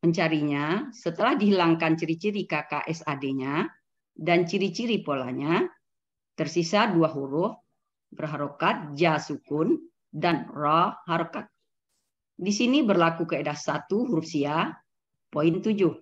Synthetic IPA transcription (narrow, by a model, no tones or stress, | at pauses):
məɲt͡ʃaɾiɲasət̪əlahdiɦilaŋkant͡ʃiɾit͡ʃiɾikakaʔɛsadeɲa | dant͡ʃiɾit͡ʃiɾipola̰ɲa | t̪ərsisaduaɦuɾʊh | bərɦaɾokat̪̚d͡ʒasukʊn | danrɔhaɾokat̪̚ | disinibərlakukəedahsat̪uɦuɾusia | point̪ud͡ʒʊh